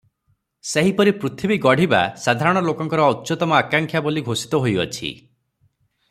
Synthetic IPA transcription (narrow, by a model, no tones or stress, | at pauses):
seɦipɔɾipɾut̪ʰibiɡɔɽ̤iba̰sad̪ʱaɾɔɽ̃ɔlokɔŋkɔɾɔut̪ːt͡ʃɔt̪ɔmɔakaŋkʰjaboliɡʱosi̥t̪ɔɦojɔ̰t͡ʃʰḭ